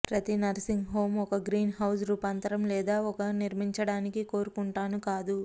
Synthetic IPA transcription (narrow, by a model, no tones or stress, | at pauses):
pɾɐt̪inɐɾsiŋɡɦo̞ːmɔkɐɡɾiːnɦɐws̬ɾuːpant̪ɐɾɐmlɛːd̪aːɔkɐniɾmiɲt͡ʃɐɽaːnikiko̞ːɾukuɳʈaːnukaːd̪u